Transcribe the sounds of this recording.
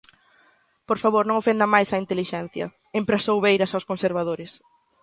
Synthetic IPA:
poɾfaβoɾnõŋofend̪ɐmajsɐint̪eliʃɛnθjɐ̰ | empɾasowβejɾɐsawskonseɾβ̞aðoɾɪs

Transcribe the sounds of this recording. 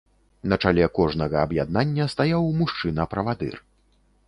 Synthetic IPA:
nɐt͡ʂalʲɛkɔʐnɐɣɐɐbjad̪̚nanʲːɐst̪ajawmuʂt͡ʂɨnɐpɾɐvad̪ɨ̰r

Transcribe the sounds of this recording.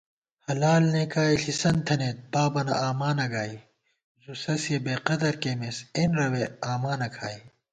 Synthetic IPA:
hɐlaːlnekaːiɬisɐnt̪ʰɐnet̪̚paːbɐnɐ̰aːmaːnɐɡaːi | zusɐsjebeːqɐd̪ɐɾkeːmesenɾɐweaːmaːnɐkʰaːi

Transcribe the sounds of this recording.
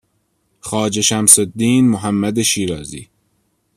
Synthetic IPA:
xɒːd͡ʒe̞ʃæmsod̪ːiːnmoɦæmːæd̪eʃiːɾɒːzḭː

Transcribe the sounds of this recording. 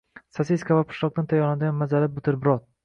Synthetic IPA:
sasiskavapʰʊ̥ʃlˠɒq̚d̪ant̪ʰajɒlad̪ɪɡʲanmazalɪp̚bʊt̪ʰɪɾbɪɾɒt̪̚

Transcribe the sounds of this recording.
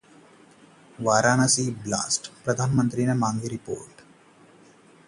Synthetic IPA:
ʋaːɾaːnɐsiːbla̰ːsʈpɾɐd̪ʱaːnmɐnt̪ɾiːnɐmaːŋɡeɾipo̰ːɾʈ

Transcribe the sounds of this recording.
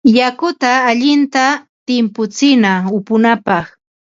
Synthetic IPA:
jakʊt̪aːʎɪnt̪a | t̪ɪmpʊt͡sɪnaʊpʊnapɑχ

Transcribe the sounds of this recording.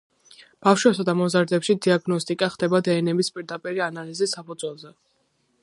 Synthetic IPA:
b̥afʃwɛpsad̪amɔzaɾd̪ɛpʃid̪iaɡnɔst̪ʼikʼaχd̪ɛbad̪ɛːnɛbispʼiɾd̪apʼiɾianalizisːapʰud̪z̥ʼwɛlˠzɛ

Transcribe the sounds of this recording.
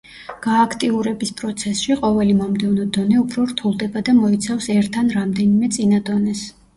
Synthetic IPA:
ɡ̥aːkʰt̪ʼiuɾɛbispʼɾɔt̪sʰɛsʃiqʼɔvɛlimɔmd̪ɛvnɔd̪ɔnɛupʰɾɔɾt̪ʰulˠd̪ɛbad̪amɔit̪sʰafsɛɾt̪ʰːanɾamd̪ɛnimɛt̪sʼinad̪ɔnɛs

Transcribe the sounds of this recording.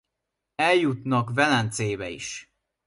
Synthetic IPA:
ɛljut̪nɒkvɛlɛnt̪seːbɛḭʃ

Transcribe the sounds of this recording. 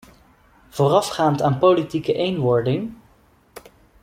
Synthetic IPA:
v̥ʊːrɑfχaːntaːnpolitikəʔejnʋɔɹdɪŋ

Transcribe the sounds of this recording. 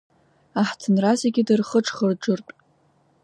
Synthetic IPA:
aħtʰɨnrazeɡʲidɨrχəʈ͡ʂʰʼχərʈ͡ʂɨrtʼ

